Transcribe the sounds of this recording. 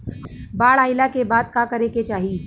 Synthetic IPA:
baːɭaːɪlakebaːd̪̚kakɐɾeket͡ʃaːɦi

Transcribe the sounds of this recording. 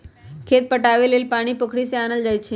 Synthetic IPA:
kʰet̪̚pəʈaʋelelpaɽ̃iːpəkʰɽiseanəld͡zajt͡ɕʰi

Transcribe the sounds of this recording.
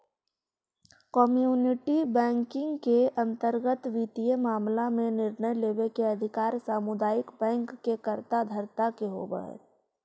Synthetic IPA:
kɔmjuːnɪʈibɛ̃ːŋkɪ̃ŋɡkeɐ̃nt̪əɾɡət̪ʋiːt̪ijemaːmlamẽnɪɾnəjleːʋekeɐd̪ʱɪkaːɾsaːmʊd̪aːɪkbɛ̃ːŋkːekəɾt̪ad̪ʱəɾt̪akeɦo̰ːbə̰ɦ

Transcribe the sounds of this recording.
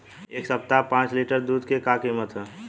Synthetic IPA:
eːksəp̚t̪apãːt͡ʃliʈəɾd̪uːd̪kekakiːmət̪ɦɛ

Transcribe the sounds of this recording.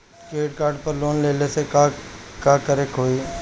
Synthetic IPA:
keːɖkaːɾɖ̚pəɾloːnleːleseakaːkəɾeːkɦoːiː

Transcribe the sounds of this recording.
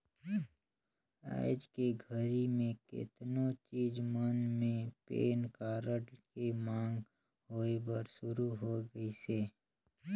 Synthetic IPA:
a̰ːɪd͡ʒkeɡʱəɾimẽkɪ̰t̪nõt͡ʃiːzmənmẽpḛːnkaːɾəʈkemãːŋɡ | ɦoːebəɾʃʊɾuɦoɡəiseː

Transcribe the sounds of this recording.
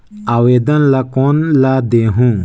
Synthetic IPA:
aweːd̪ɐnlakoːnlad̪eɦũ

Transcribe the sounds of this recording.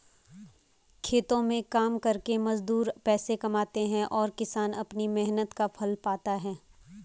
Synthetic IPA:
kʰeːt̪õmẽkaːmkɐɾkemɐzd̪uːɾpɛːsekɐmaːt̪eɦɛ̃ʔɔːɾkɪsaːnɐpnimɛɦnət̪kapʰɐlpaːt̪aɦɛː

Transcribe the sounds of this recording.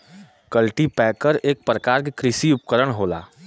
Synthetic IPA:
kəlʈipɛːkəɾeːk̚pɾəkaːɾkekɾɪsiʊp̚kəɾəɽɦoːla̰ː

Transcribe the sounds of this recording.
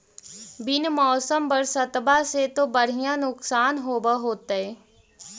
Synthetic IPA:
bɪnmɔːsəmpəɾsɐt̪baset̪obəɽ̤ijãnʊksaːnɦoːbəɦoːt̪ɛː

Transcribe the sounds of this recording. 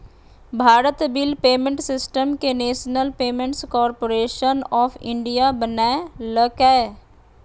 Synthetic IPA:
bʱaːɾət̪bɪlpeːmẽɳʈsɪsʈəmkeneːʃnəlpeːmẽɳʈskɔːɾpoɾeːʃənɔːfʰɪ̃ɳɖijabənaeləkɛe

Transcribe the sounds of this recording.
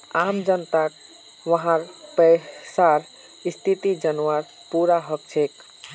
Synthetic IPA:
amd͡ʒənt̪aʈ | ʋəɦãɾpəsaɾ | ist̪ʰit̪id͡ʒənʋaɾ | puɾaɦək̚t͡ʃʰek

